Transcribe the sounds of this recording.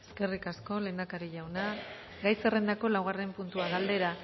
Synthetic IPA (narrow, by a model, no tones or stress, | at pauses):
eske̞rikasko̞le̞ːnd̪akaɾiʎawna | ɡajse̞re̞nd̪ako̞lawɣare̞mpunt̪uaɣald̪e̞ɾa